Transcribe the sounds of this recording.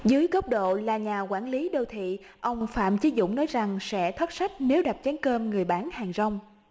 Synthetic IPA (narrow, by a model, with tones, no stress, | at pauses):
zɨː˨˦jkə˦˥p̚ɗo̰˧˨laː˨˩ɲaː˨˩kwaː˧˩nli˨˦ɗo˧wt̪ʰḭ˧˨ | ʔə˧wŋ͡mfa̰ː˧˨mt͡ɕi˨˦zʊ̰˧˨ŋ͡mnɔ˨˦jza˨˩ŋsɛ̰˧˥t̪ʰə˦˥t̚sa˦˥jk̟̚ne˨˦wɗa˨˩p̚t͡ɕɛ˨˦nkəː˧mŋɨ˨˩əjɓaː˧˩nhaː˨˩ŋzə˧wŋ͡m